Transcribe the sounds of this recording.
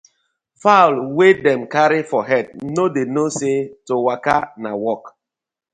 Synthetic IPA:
falwedɛ̃mkaɾifɔɦɛd̚nodenosetowakanawɔk

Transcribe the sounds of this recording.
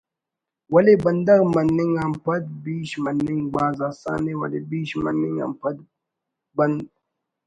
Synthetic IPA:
wɐlebɐnd̪ɐɾmɐnːiŋampɐd̪̚biːʃmɐnːiŋɡ͡baːzaːsa̰ːnewɐ̰lebiːʃmɐ̰nːiŋa̰mpɐd̪̚ | bɐnd̪

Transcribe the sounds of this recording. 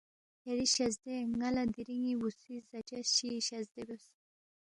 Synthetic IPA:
eɾiɕɐzd̪eŋɐlad̪iɾiŋiwusizɐt͡ʃaɕiɕɐzd̪ebjos

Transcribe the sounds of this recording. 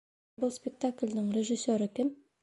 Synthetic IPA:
bʊlˠspʲek̚t̪aklʲd̪ɪŋrʲeʒɪsʲːeɾɪkʲɪm

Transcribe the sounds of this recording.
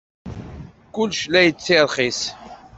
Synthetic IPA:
kʊlːʃlæjət͡sːiɾˤχis

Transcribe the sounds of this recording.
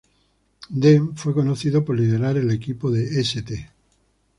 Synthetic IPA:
d̪eɱfwe̞konoθiðopoɾlið̞eɾaɾelekipoðeeset̪e

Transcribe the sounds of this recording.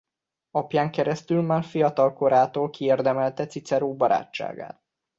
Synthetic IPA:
ɒpjaːŋkɛɾɛst̪ylmaːrfijɒt̪ɒlko̞ɾaːt̪oːlkieːrd̪ɛmɛlt̪ɛt̪sit̪sɛɾoːbɒɾa̰ːt͡ʃːa̰ːɡa̰ːt̪̚

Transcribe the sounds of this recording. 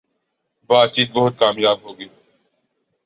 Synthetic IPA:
baːt̪̚t͡ʃiːt̪̚bəɦʊt̪̚kaːmjaːbɦoːɡiː

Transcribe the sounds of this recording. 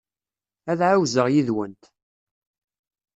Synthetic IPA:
æðʕawzəʁjiðwənt̪

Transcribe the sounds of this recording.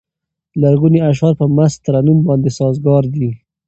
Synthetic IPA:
laɾɣuniaʃ̬ɑɾpəmast̪əɾanumbɑnd̪esɑzɡɑɾd̪i

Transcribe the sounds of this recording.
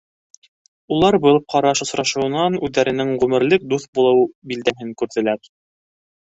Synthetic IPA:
ulˠɑɾbɤlˠp̚qɑɾɑʃŏsɾɑʃɤ̆wɤ̆nɑnʉðːæɾɘ̆nɘŋʁʉmɘ̆ɾlɘk̚d̪uθbulˠɤwbild̪æɦɘŋkʉɾðɘ̆læɾ

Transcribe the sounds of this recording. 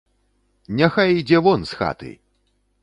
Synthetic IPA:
nʲaxajd͡zʲɛvɔnsxa̰t̪ɨ̰j

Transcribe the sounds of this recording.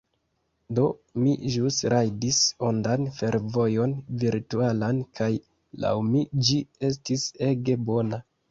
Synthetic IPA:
do̞miʒusɾajdisondanfe̞ɾvo̞jo̞nviɾtualankʰaj | la̰wmid͡ʒie̞s̬tise̞ɡe̞bo̞na

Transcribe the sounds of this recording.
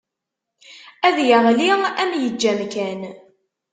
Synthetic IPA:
æðjəʁliæmjəd͡ʒːæmkæn

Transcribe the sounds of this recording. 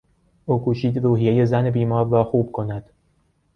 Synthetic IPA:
ʔuːkʰuːʃiːd̪ruːɦije̞je̞zænebiːmɒːɾːɒːxuːb̥̚kʰo̞næd̪̥

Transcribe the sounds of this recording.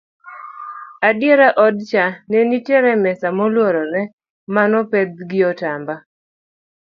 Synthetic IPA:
adjeɾaʔɔdt͡ʃanenitjeɾɛmɛsamɔlwɔɾɔɾɛ | manɔpɛd̪̚ɡɪɔtamba

